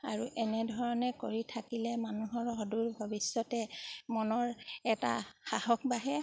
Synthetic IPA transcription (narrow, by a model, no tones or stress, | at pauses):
a̰ɹuʔɛnɛdʱɔɹɔnɛkoɹitʰakilɛmanuɦɔɹɦɔduɹbʱɔbisːɔtɛmɔnɔɹɛta̰xahɔk̚baɦɛ